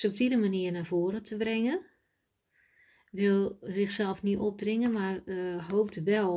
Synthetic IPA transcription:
sɔp̚tidəmaniərnarvoːɾətʰəbrɪŋən | ʋɪlˠzɪxsɛlˠfniɔp̚drɪŋənmarɦoːp̚dəʋɛ

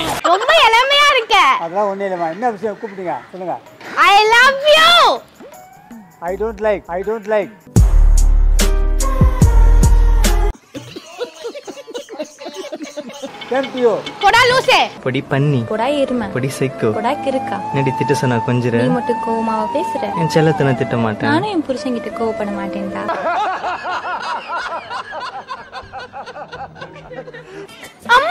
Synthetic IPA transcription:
ɾɔmbɐɛlɐmɐjaːɪɾɯkːɐ̃ɐðɐlãːɔnːɯɪlɐmaːɛnːɐʋɪʂɐjɐ̃kuːpɪʈːiːŋɡɐsɔlːɯŋɡɐ̰ | aɪlɐʋjuː | ɐɪɖoːɳʈlɐɪkɐɪɖoːɳʈlɐɪk̚ | ɛmpiokɔɽaːloːsepɔɽipɐɳːipɔɽaːjɪɾɯmɐ̃pɔɽisɛɪkːɯpɔɽaːkɪɾɯkːãneɽit̪ɪʈːɯsɔnːakɔɲd͡ʒɪɾɛ̃mɐʈːɯ̃koːʋɐmaːʋɐpeːsɪɾɛ̃ɛ̃nt͡ʃɛlːɐt̪ʊnɐt̪ɪʈːɐ̃maːʈːẽnaːnʊ̃ɛnpʊɾɯsɐŋɡɪʈːɯkoːʋɐpɐɳːɐmaːʈːeːŋʈaː | ɐmː

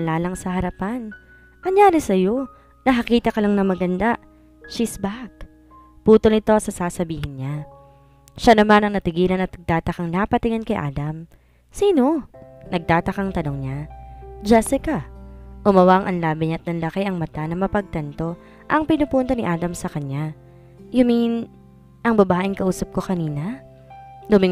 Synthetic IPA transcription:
laːlɐŋsɐhɐɾɐpan | ʔɐŋjaːɾɛsɐjo̞ | nɐɦɐkiːt̪ɐkɐlaŋnɐmɐɡɐnd̪a | ʃisbak̚ | puːt̪olnɪt̪o̞sɐsaːsɐbiːhɪnɲa | ʃanɐmanɐŋnɐt̪ɪɡiːlɐnɐt̪nɐɡ̚t̪aːt̪ɐkɐŋnapɐt̪ɪŋɐnkɐjʔa̰ːd̪ɐm | siːno̞nɐɡ̚t̪aːt̪ɐkɐŋt̪ɐno̞ŋɲad͡ʒɛsɪkɐʔʊmɐwaŋʔɐnlaːbɪɲɐt̪̚nɐnlɐkɛjʔɐŋmɐt̪anɐmɐpɐɡ̚t̪ɐnt̪o̞ | ʔɐŋpɪnʊpunt̪ɐnɪʔaːd̪ɐmsɐkɐɲa | jʊmin | ʔɐŋbɐbaːʔɪŋkɐʔuːsɐp̚ko̞kɐniːnɐ | d̪ʊmɪ

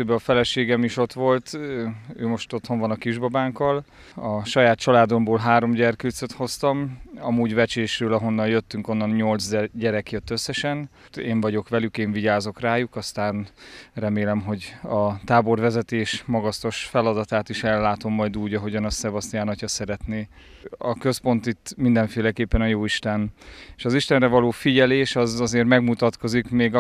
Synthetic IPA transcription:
øːbɛɒfɛlɛʃeːɡɛmiʃo̞t̪ʋo̞lt̪ø̰ːmo̞ʃt̪o̞t̪ho̞ɱvɒnɒkiʒbɒbaːŋkɒl | ɒʃɒjaːt̪̚t͡ʃɒlaːd̪o̞mboːlɦaːɾo̞mɟɛrkøːt̪søt̪ho̞st̪ɒmɒmuːɟvɛt͡ʃeːʃrøːlɒɦo̞nːɒnjøt̪ːyŋko̞nːɒnɲo̞lt̪zɟɛɾɛkjøt̪ːø̞sːɛʃɛn | eːɱvɒɟo̞kʋɛlykeːɱviɟaːzo̞kraːjukɒst̪aːnrɛmeːlɛmɦo̞ɟɒt̪aːbo̞rvɛzɛt̪eːʃmɒɡɒst̪o̞ʃfɛlɒd̪ɒt̪aːt̪iʃɛlːaːt̪o̞mːɒjd̪uːɟɒɦo̞ɟɒnɒst̪sɛbɒst̪ijaːnɒcɒsɛɾɛt̪neː | ɒkø̞spo̞nt̪it̪ːmind̪ɛɱfeːlɛkeːpːɛnɒjoːiʃt̪ɛneːʃɒziʃt̪ɛnrɛvɒloːfiɟɛleːʃɒzɒzeːrmɛɡmut̪ɒt̪ko̞zikmeːɡ

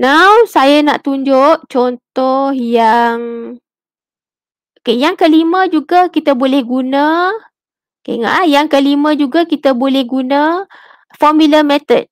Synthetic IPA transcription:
nawsajəna̰ʔt̪uɲd͡ʒoʔt͡ʃɔnt̪ɔhjaŋ | okejaŋkəlimə̃d͡ʒuɡəkit̪əbolɛhɡunə | okḛŋa̰ʔajaŋkəlimə̃d͡ʒuɡakit̪əbolɛhɡunə | fɔmuləmɛt̪əd̚

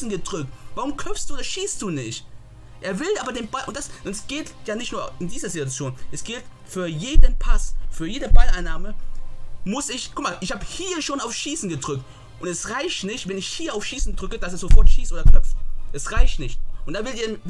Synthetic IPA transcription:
sn̩ɡədʁʏk̚tv̥aʁʊmkʰœp͡ffstd̥uːdɐʃiːst̚d̥uːnɪçt | ʔeːɐvɪlaːbɐdeːnbaɪlʔʊntd̥asɔnɛsɡ̥eːtjaːnɪçtnuːɐɪndiːzɐzituat͡sjoːnʔɛsɡ̥ɪlt | fyːɐjeːdənpʰasfyːɐjeːdəbalʔaɪnaːmə | mʊsɪçkʰʊkmaːlʔɪçhaːbəhiːɐʃoːnaʊfʃiːsn̩ɡədʁʏk̚t | ʔʊntɛsʁaɪçtnɪçtvɛnɪçhiːɐaʊfʃiːsn̩dʁʏkəd̥asɛɐzofɔɐtʃiːsʔoːdɐkʰlœpfʔɛsʁaɪçtnɪçtʔʊntd̥aːvɪltiɐn

